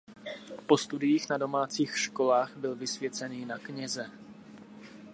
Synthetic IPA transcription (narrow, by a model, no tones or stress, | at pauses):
po̞st̪udɪjiːxnado̞maːt͡siːxʃko̞laːxbɪlvɪsvjɛt͡sɛniːnakɲɛzɛ